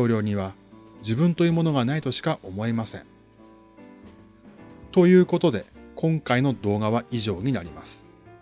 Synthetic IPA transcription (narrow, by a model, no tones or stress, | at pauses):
o̞ːɾʲo̞ːɲ̟iβa | d͡ʑibɯ̟̃nt̪o̞jɯːmo̞no̞ɡanait̪o̞ɕi̥kaʔo̞mo̞e̞masẽ̞̰ŋ | t̪o̞jɯ̟ːko̞t̪o̞d̪e̞kʰõ̞ŋkaino̞d̪o̞ːɡaβ̞aʔiʑo̞ːɲ̟inaɾʲimasɨ̥